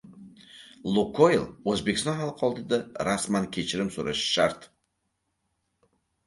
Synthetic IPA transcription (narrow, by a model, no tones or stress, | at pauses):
lˠukʰoɪlˠɵzbekʲɪst̪ɒnɦalˠqʰɒlˠd̪ɪd̪aɾasmankʲʰe̞t͡ʃʰɪɾɪmsoɾaʃɪ̥ʃaɾt̪